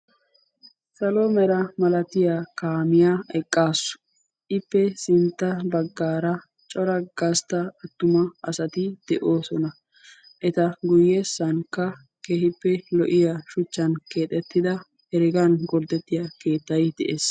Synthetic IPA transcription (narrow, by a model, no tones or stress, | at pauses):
sɐlomɛɾɐmɐlɐt̪ɪjaːkaːmɪjaːɛkʼːaːsːʊ̥ | ʔɪpːɛsɪnt̪ːɐbɐɡːaːɾɐ | t͡ʃʼɔɾɐɡ̥ɐst̪ɐɐt̪ːʊmɐʔɐsɐt̪ɪd̪̥ɛʔo̞ːsɔnɐ | ʔɛt̪ɐɡʊjːɛsːɐnkːɐ | kehɪpːɛlɔʔɪjaʃʊt͡ʃːɐnke̞ːt̪ʼɛt̪ːɪd̪ɐ | hɛɾɪɡɐnɡɔɾd̪ɛt̪ːɪjake̞ːt̪ːɐjd̪̥ɛʔeːs